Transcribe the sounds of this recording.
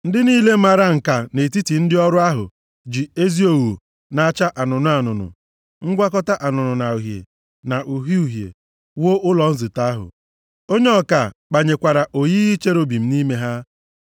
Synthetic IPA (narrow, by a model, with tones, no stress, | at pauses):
n̩˦dɪ˦niː˦le˦ma˨ɾa˦ŋ̩˨ka˨ne˨ti˦ti˨n̩˦dɪ˦ɔ˦ɾʊ˦a˦ɦʊ̰˨ | d͡ʒi˨e˦zi˦o˨wu˨ | na˨a˦t͡ʃa˦ʔa˨nʊ˨nʊ˦a˨nʊ˨nʊ̰˨ | ŋ̩˦ɡʷa˦kɔ˦ta˦ʔa˨nʊ˨nʊ˨na˨u˨ɦjḛ˨ | na˨ʔu˨ɦi˦u˨ɦjḛ˨ | wo˦ʔʊ˦lɔ˨n̩˦zɪ˨ta˦a˦ɦʊ̰˨ | o˦ɲe˦ɔ˨ka˨k͡pa˨ɲe˨kʷa˨ɾa˨ʔo˨ji˦i˦t͡ʃe˦ɾo˦bi˨m̩˦ni˦me˦ɦa˦